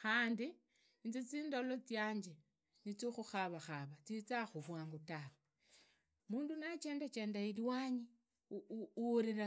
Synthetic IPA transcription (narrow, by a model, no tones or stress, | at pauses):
xaːndi | nt͡sit͡siːndolot͡sjaːɲd͡ʒe | nit͡sixuxaβaxaβat͡sit͡saxuβwaːŋɡotawe | muːndunat͡ʃeːndat͡ʃe̞ːndailiwaːɲi | ɾiɾa